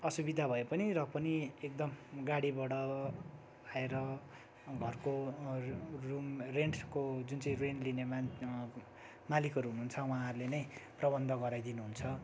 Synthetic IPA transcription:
ʌsubid̪ʱabʱʌepʌniɾʌpʌniek̚d̪ʌmɡaɽibʌɽʌ | aeɾʌ | ɡʱʌrko | rumreɳʈʰkod͡zunt͡saĩrenlinema | malikɦʌɾuɦunuːunt͡sʰʌwãɦʌɾulenʌjprʌbʌnd̪ʱʌɡʌɾajd̪inuɦunt͡sʰʌ

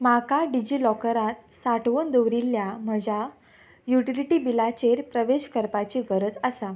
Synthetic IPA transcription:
makaɖid͡ʑilɔkəɾat̪̚ | saʈʋond̪oʋɾilːjam̤əd͡ʑa | juʈiliʈiːbilat͡ɕeɾpɾəʋeɕkəɾpat͡ɕiːɡəɾəd͡zəsa

